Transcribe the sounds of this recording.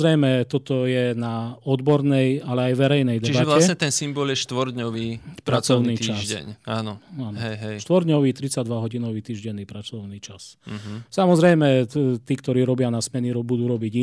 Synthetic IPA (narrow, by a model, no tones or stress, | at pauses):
ɾɛjmɛt̪ɔt̪ɔjɛnaɔd̪bɔɾnɛjalɛajʋɛɾɛjnɛjd̪ɛt͡ʃibaɛʋlaɛsɲɛt̪ɛnsimbɔljɛʃt̪ʋɔɾd̪ɲɔʋiːpɾat͡sɔʊnniːt̪t͡ʃiaʒsɟɛ̰ɲaːnɔaːnɦɛjɦɛjʃt̪ʋɔɾd̪ɲɔʋiːt̪ɾit͡sad̪ʋaɦɔɟinɔʋiːt̪iːʒɟɛnːiːpɾat͡sɔʊniːt͡ʃassamɔzɾɛjmɛt̪iːkt̪ɔɾiːɾɔbɪanasmɛniɾɔbud̪uːɾɔbiɟi